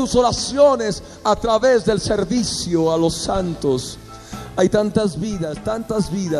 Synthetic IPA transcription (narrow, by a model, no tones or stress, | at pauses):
usoɾasjones | at̪ɾaβezðelseɾβisjoalosant̪os | ajt̪ant̪azβiðast̪ant̪azβiða